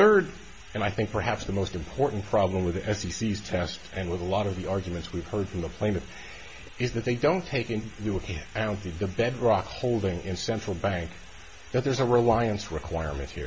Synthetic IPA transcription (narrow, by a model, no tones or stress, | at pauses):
θɜ˞ɾ | ɨ̃naɪθɪ̃ŋk̚pʰə˞hæpsðəmoʊstɨ̃mpʰɔɹʔn̩pʰɹ̥ɑblə̃mwɨðiʔɛsisiz̥tʰɛstɨ̃nwəðəlɔɾʌvðiɑɹɡjmɨ̃ntswiv̥hɜ˞d̥fɹʌ̃mðəpʰl̥ẽɪ̃nɨɾ | ɨzðɨt̪̚ðeɪdõʊ̃ntʰeɪkɪ̃ntɨəkʰãʊ̃nðɨðɨbɛdɹɑkhoʊlˠdɪ̃ŋɪ̃nsɛ̃nt͡ʃɹ̥l̩ˠbæ̃ŋk | ðɨt̪̚ðə˞zəɹɪlaɪɨ̃nsɹɨkʰw̥aɪɹmɨ̰̃nʔ̚hḭɹ